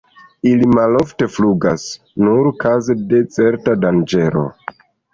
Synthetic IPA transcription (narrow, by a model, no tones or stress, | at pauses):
ilimalo̞fte̞fluɡas | nuɾkazede̞t͡se̞ɾtadand͡ʒe̞ɾo̞̰